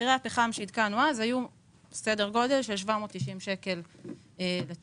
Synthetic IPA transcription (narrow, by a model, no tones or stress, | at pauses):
iʁeapeχamʃeid̪kanuazaju | sedeʁɡo̞de̞lʃelʃvamoːt̪ːiʃimʃe̞ke̞l | ele